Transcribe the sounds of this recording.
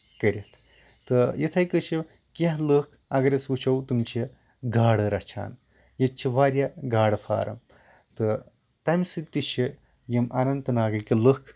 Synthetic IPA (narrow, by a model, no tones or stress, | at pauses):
kəɾʲit̪ʰ | t̪ɨjit̪ʰɐjkɨt͡ʃʰi | kʲaɦləkʰɐɡɐɾɐsut͡ʃʰɐwt̪ɨmt͡ʃʰi | ɡaːɽɨɾɐt͡ʃʰa̰ːn | jet̪t͡ʃʰiʋaːɾʲjɐɡaːɽɨfʰa̰ːɾɐ̰m | t̪ɨ | t̪ɐmsɨt̪ːit͡ʃʰi | jimʔɐnɐnt̪ɨnaːɡɐkiləkʰ